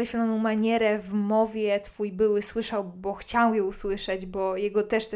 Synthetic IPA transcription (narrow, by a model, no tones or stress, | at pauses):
ɾɛɕlɔnɔ̃w̃maɲɛɾɛvmɔvʲjɛt̪fujbɘwɘswɘʂawbɔxt͡ɕawjɛuswɘʂɛd͡ʑbɔjɛɡɔt̪ɛʂt̪